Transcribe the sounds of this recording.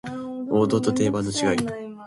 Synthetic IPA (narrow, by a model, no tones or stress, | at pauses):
o̞ːd̪o̞ːt̪o̞t̪e̞ːbanːo̞t͡ɕiɡai